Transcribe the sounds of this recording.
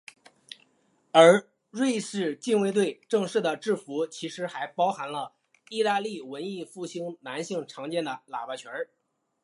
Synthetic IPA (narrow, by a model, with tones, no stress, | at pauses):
ə˞˧˥ | ɻwe˥˧ɪʂɻ̩˥˧t͡ɕi˥˧nwe˥˧ɪt̪̬we˥˩ɪʈ͡ʂɤ˥˧ŋʂɻ̩˥˩d̪ə˩ʈ͡ʂɻ̩˥˩fu˧˥t͡ɕʰi˧˥ʂɻ̩˧˥xa˧˥ɪpɑ˥ʊxa˧˥nlə˧ | i˥˩t̪a˥˧li˥˩wə˧˥ni˥˧fu˥˩ɕi˥ŋna˧˥nɕi˥˩ŋʈ͡ʂʰɑ˧˥ŋt͡ɕjɛ˥˩nd̪ə˩la̰˨˩pa˥˩t͡ɕʰɥɛ˧˥